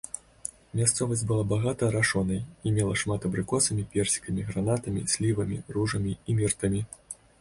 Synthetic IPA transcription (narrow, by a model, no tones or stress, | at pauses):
mʲast̪sɔvɐsʲbɨlˠabaɣat̪ɐːɾaʂɔnɐjimʲɛlˠɐʂmat̪ɐbɾɨkɔsɐmʲipʲɛrsʲi̥kɐmʲiɣɾanat̪ɐmʲḭsʲlʲivɐmʲḭruʐɐmʲiimʲirt̪ɐmʲi